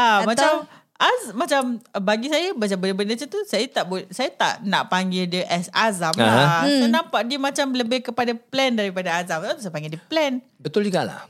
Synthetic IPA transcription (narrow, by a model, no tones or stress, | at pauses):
amãt͡ʃam | ʔazmat͡ʃambaɡisajəbat͡ʃambəndəbəndəsat̪usajat̪aʔbusajat̪a̰ʔna̰ʔpaŋɡɪldəʔɛsazamasənãmpaʔdiəmãt͡ʃamləbɪhkəpadaplɛndaɾipadaazamaat̪usajpaŋɡɪdəplɛn | bət̪ulikala̰